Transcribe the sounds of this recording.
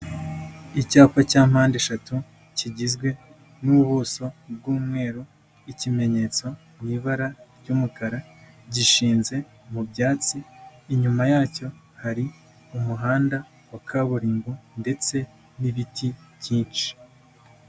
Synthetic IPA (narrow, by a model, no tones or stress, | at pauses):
icaːkwacaːm̥haːndeʃatu | ciɟizɡwe̞ | nuβuːso̞b̚ɡuːmŋe̞ːɾu | icime̞ɲe̞t͡so̞mwiːβaɾaɾɟuːmukaɾa | ɟiʃiːnze̞ | mubjaːt͡siːɲumajaːco̞ | haɾi | umuɦaːnda | wakʰaβuɾiːŋɡunde̞t͡se̞ | niβitʰi̥jiːnt͡ʃi̥